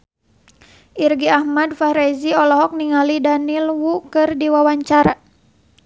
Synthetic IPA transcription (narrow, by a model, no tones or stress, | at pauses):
ʔirɡiahmadfaɾɛziɔlɔɦɔk̚niŋalidanilwukɨrdiwawaɲt͡ʃaɾa